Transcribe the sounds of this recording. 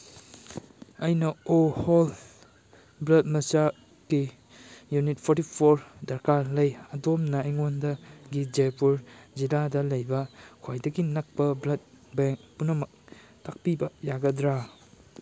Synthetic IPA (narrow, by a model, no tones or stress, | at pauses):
ɐjnɐohol | blɐt̚mɐsa | ki | junit̚pʰoɾtipʰoɾdɐɾkalɐjɐdomnɐːjŋondɐɡid͡ʒepuɾd͡ʒiladɐlɐjbɐkʰojdɐɡinɐk̚pɐblɐt̚ | beŋ̚punɐmɐk̚ | tak̚pibɐjaɡɐdɾa